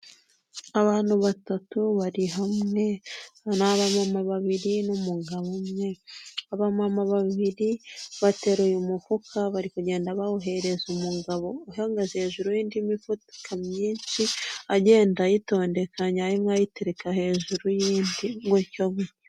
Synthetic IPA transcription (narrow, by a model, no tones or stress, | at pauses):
aβaːn̥huβatatuβaɾiɦamŋe̞naβamamaβaβiɾinumuɡaβomŋe̞aβamamaβaβiɾiβate̞ɾujumufukʰaβaɾikuɟe̞ːndaβaoɦe̞ɾe̞zumuɡaβo̞ːɦeŋɡazheːʒuɾujiːndimifutkʰamɲiːnsiaɟe̞ːndajito̞ːnde̞kaɲaaɾimŋajiteɾekahe̞ːʒuɾujiːndiŋɡocome